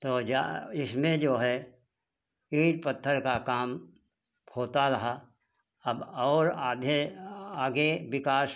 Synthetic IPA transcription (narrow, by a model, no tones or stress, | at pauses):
t̪oːd͡ʒa̰ɪsmẽd͡ʒoːɦɛ | iːʈ̚pət̪ʰːəɾkakaːm | hoːt̪aɾɐɦa | ɐbɔːɾd̪eaːɡeʋɪkaːs